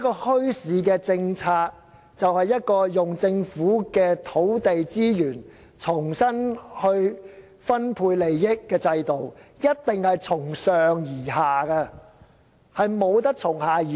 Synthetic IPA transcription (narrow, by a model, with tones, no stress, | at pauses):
kɔː˧hɵ˥ɥsiː˨˥kɛː˧t͡sɪ˧ŋt͡sʰaː˧k̚ | t͡sɐ˨whɐ˨jːɐ˥t̚kɔː˧jʊ˨ŋt͡sɪ˧ŋfuː˨˥kɛː˧t̪ʰo˨˥wt̪e˨jt͡siː˥jyː˨˩n | t͡sʰʊ˨˩ŋsɐ˥nhɵ˧ɥ | fɐ˥npʰuː˧jle˨˩jːɪ˥kːɛː˧t͡sɐ˧jt̪o˨wjɐ˥t̚t̪ɪ˨ŋhɐ˨jt͡sʰʊ˨˩ŋsœː˨ŋjiː˨˩ɦaː˨kɐ˧ | hɐ˨jmo˨˧wt̪̬ɐ˥k̚t͡sʰʊ˨˩ŋhaː˨iː˨